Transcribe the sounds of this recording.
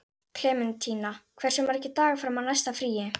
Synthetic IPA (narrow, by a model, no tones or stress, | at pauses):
kʰl̥ɛːmɪnt̪ʰiːnakʰvɛr̥sʏmaɾɛhcːɪt̪aːɣafɾawmanajst̪afɾiːjɪ